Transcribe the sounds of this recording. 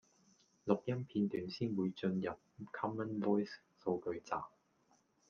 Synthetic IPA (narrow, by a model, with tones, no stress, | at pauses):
lʊ˨k̚jɐ˥mpʰiː˧nt̪yː˨˥nsiː˥nwuː˨˧jt͡ʃɵ˧njɐ˨p̚kʰɔ˥mːə˥nvɔː˥js | so˧wkɵ˧ɥt͡sa̰ː˨˩